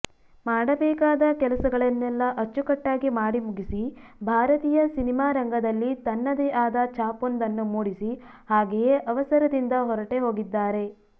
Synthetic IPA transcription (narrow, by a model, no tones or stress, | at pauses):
maːɽɐbɛːkaːd̪ɐkɛlɐsɐɡɐɭɐnːɛlːɐʔɐt͡ʃːukɐʈːaːɡimaːɽimuɡisibʱaːɾɐt̪iːjɐsinimaːɾɐŋɡɐd̪ɐlːit̪ɐnːɐd̪ɛʔaːd̪ɐt͡ʃaːpond̪ɐnːumuːɽisi | haːɡejeʔɐʋɐsɐɾɐd̪ind̪ɐɦɔɾɐʈe̞ɦo̞ːɡid̪ːaːɾe̞